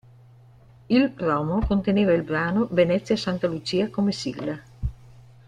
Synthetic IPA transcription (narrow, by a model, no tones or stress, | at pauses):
ilpɾɔmokont̪eneːvailbɾaːnovenɛt̪sːjasant̪alut͡ʃiːakomesḭɡla